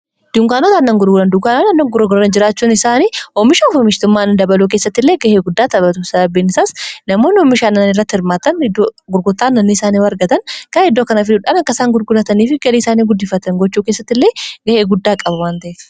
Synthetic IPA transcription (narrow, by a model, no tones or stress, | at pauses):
d̪̥uŋkaːnɐt̪anːɐŋɡʊɾɡʊlɐnd̪ʊkaːnanɐnːɐŋɡʊɾɔɡʊɾːɐnd͡ʒɪɾaːt͡ʃːuːnɪsaːniːɔmːɪʃaɔfɔmɪʃt̪ʊmːaːnɐd̪ɐbɐluk̬eːsːɐt̪ːɪlːeːɡɐheːɡʊd̪ːaːt̪ɐbɐt̪usɐd̪ɐbiːnɪsaːsnɐmo̞ːnɪɔmːɪʃaːnːɐnnɪrːɐt̪ːɪhɪɾmaːt̪ɐnɪd̪ːoɡʊɾɡʊt̪ːaːnːɐnːiɪsaːniːwɐɾɡɐt̪ɐnkɐɪd̪ːoːkɐnɐfɪd̪ʊᶑanɐkːɐsaːŋɡʊɾɡʊlɐt̪ɐniːfɪɡɐliːɪsaːniːɡʊd̪ːɪfːɐt̪ɐŋɡɔt͡ʃːuːkeːsːɐt̪ːɪlːe̞ːɡɐheːɡʊd̪ːaːkʼɐbwaːnt̪ɐʔeːt̪ɪ̥